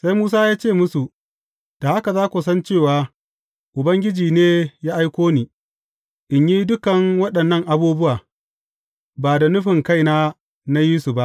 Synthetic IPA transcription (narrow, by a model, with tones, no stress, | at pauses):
sa˦jmuː˦s̬aː˦jaː˦t͡ʃeː˦˨mʊ˦su˨ʔ | d̥aː˨ʔa˦ka˨zaː˦kʷo˨sɐ˦nt͡ʃeː˦˨waː˨ | ʔʊ˨bɐ˦ŋɡʲɪ˦d͡ʒiː˨neː˦jaː˦ʔa˦jkʷoː˦niː˨ | ʔɪ˨ɲjiː˦dʊ˦kɐ˨ŋwɐ˦ɗɐ˨nːɐ˦˨ŋʔa˨buː˦bʊ˦waː˨ | baː˨da˨nʊ˦ɸɪ˨ŋka˦˨jnaː˦ | na˦jiː˦su˨ba˦ʔ